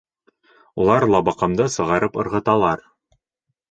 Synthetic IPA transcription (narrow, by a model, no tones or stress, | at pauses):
ulˠɑɾlˠɑbɑqɑ̆md̪ɤsɤ̆ʁɑɾɤpɤ̆ɾʁɤ̆t̪ɑlˠɑɾ